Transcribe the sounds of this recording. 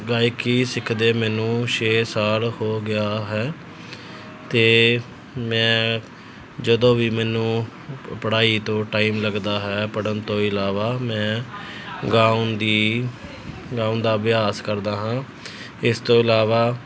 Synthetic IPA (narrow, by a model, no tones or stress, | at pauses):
ɡaːjɪkiːsɪkʰd̪eːmɛːnũːʃeːsaːlhoːɡɪjaːɦɛː | t̪eː | mɛ̃ː | d͡ʒəd̪õːʋiːmɛːnũː | pəɽaːiːt̪õːʈaːiːmləɡd̪aːɦɛːpəɽənt̪õːɪlaːʋaːmɛ̃ː | ɡãːʊnd̪iː | ɡãːʊnd̪aːʋɪjaːskəɾd̪aːɦãː | ɪst̪õːɪlaːʋaː